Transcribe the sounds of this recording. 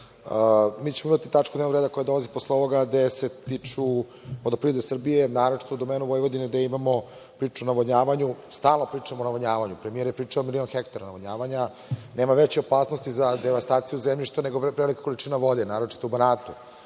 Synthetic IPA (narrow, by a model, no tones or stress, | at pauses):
miːt͡ɕemoimat̪it̪at͡ʂkud̪nenoɾeːd̪ako̞jad̪o̞laziposleo̞ʋo̞ɡad̪e̞se̞t̪it͡ʂu | od̪opɾid̪esr̩bijenaːɾo̞t͡ʃi̥t̪oud̪o̞meːnuʋo̞jʋod̪ined̪aimamo̞ | pɾiːt͡ʂunaʋoɲaːʋaɲust̪aːlˠnopɾiːt͡ʂamonaʋoɲaːʋaɲupɾemijeɾjepɾiːt͡ʂaomilio̞nxekt̪aɾanaʋoɲaːʋaɲa | ne̞ːmaʋet͡ɕeopaːsnost̪izad̪eʋast̪aːt̪sijuzemʎiʃt̪one̞ɡopɾeelikḁko̞lit͡ʂiːnaʋo̞d̪enaːɾo̞t͡ʂi̥t̪oubanaːt̪u